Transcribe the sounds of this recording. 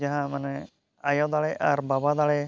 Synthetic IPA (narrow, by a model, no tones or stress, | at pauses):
aɦãmanɛ | ajɔ̃d̪aɭɛʔaɾbabad̪aɭɛ